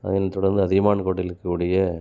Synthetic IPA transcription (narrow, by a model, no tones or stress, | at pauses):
ɐ̰ðɪnɐt̪ːɔɽɐɾnd̪ɯɐðɪɣɐmaːnkoːʈːɪlkːɐkuːɽɪjɐ